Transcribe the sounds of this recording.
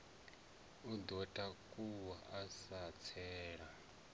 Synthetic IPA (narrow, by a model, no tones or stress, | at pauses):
ud̪ɔtʼakʼuwaʔasat͡sʰɛːɺa